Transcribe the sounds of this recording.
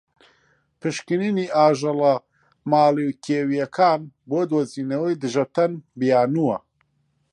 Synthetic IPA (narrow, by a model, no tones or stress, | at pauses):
pʰɨʃkɨniniːaːʒɐlɐ | maːliwkʰeːwijɐkʰaːnboːd̪oːziːnɐwijd̪ɨʒɐt̪ɐnbijaːnuwɐ